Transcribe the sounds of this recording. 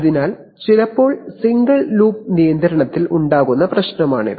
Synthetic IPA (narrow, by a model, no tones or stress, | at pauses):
ðinaːl | t͡ɕilɐpːo̞ːɭsiŋɡɐɭluːp̚nijɐnd̪ɐɾɐɳɐt̪ːilʔuɳɖaːɣunːɐprɐɕnɐmaːɳɨ̰